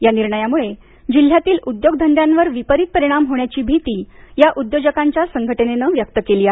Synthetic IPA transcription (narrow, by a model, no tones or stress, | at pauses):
janiɾɳəjamuɭe | d͡ʑil̤ːjat̪iːlud̪joɡd̪ʱənd̪jãnʋəɾʋipəɾit̪̚pəɾiɽ̃amɦoɳjat͡ɕiːbʱit̪iːjaʔud̪jod͡ʑəkaɲt͡ɕjasəŋɡʱəʈənenəʋjək̚t̪əkeliːa